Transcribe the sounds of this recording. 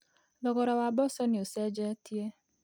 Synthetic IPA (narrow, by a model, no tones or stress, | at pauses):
lɔɡɔɾawabɔsɔnɪosed͡ʒetie